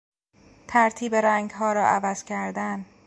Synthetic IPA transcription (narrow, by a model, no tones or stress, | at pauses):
t̪ʰæɾt̪ʰiːbeɾæŋɡɦɒːɾɒːʔævæz̥cʰæɾd̪æn